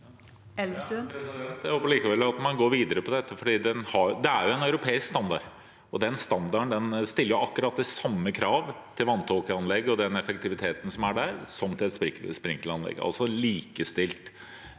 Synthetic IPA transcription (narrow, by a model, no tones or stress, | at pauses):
ɛlspɛsd̪ɛnt̪jæhoːpːəɭliːkəʋɛlːɑt̪mɑnɡoːɾʋiːd̪əɾəpʰɔd̪ɛt̪ːəfɔɖiːd̪ɛnhɑɾd̪ɛæɾjʊɛnɑʉɾʊpʰeːɪskst̪ɑnd̪ɑ̰ɾ | ɔd̪ɛnst̪ɑnd̪ɑɾəɳd̪ɛnst̪ɪlːəɾjʊɑkːʉɾɑt̪̚d̪ɛsɑmːəkʰɾɑːʋt̪ʰɪlʋɑnt̪ʰokəɑnlɛɡːɔd̪ɛnɛfək̚t̪ʰɪʋɪt̪ʰeːt̪ən̩sɔmæɖæɾsɔmt̪ʰɪlɛt̪spɪspɾɪŋkəlɑnlɛ̰ɡːɑ̰lsɔliːkəst̪ɪlt̪